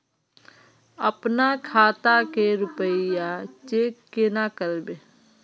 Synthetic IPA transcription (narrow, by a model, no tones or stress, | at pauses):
əpnakʰaːt̪akeɾʊpəɪjat͡ʃeːkːenakəɾbe